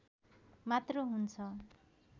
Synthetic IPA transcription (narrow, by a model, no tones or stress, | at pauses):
mat̪roɦunt͡sʰʌ